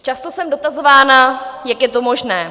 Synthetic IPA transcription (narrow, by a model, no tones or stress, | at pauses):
t͡ʃast̪osɛmdo̞t̪azo̞vaːnajakjɛt̪omo̞ʒnɛː